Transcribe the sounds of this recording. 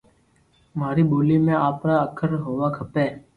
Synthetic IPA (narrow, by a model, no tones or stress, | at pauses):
maːɾiːboːliːmẽːaːpɾaːəkʰəɾɦoːʋaːkʰəpeː